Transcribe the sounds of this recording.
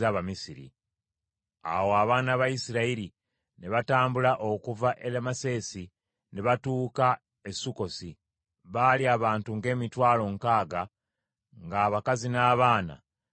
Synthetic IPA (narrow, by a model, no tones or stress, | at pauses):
aβamisiɾḭ | a̰wo̞aβaːnaβajisiɾaiɾi | ne̞βataːmbulaʔo̞kuvaʔe̞lemase̞si | ne̞βatuːka | esuko̞si | βaliaβaːntuŋɡe̞ːmitwaːlo̞ŋkaːɡa | ŋɡaːβakazinaːβaːna̰